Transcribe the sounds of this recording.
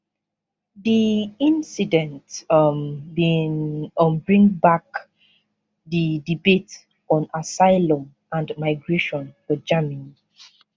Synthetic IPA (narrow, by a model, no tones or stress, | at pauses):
ðiĩnsidɛ̃ntmbinmbɹĩŋbak | ðidibet | ɔ̃nasaɪlɔ̃m | ãndmaɪɡɹeʃɔ̃nfəd͡ʒamĩn